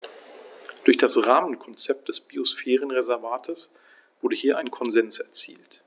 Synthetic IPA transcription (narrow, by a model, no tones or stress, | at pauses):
d̥ʊɐçd̥asʁaːmənkʰɔnt͡sɛp̚t̚d̥ɛsb̥iosfɛːʁənʁezɛɐvaːtʰəs | v̥ʊɐdəhiːɐʔaɪnkʰɔnzɛnsɛɐt͡sḭːlt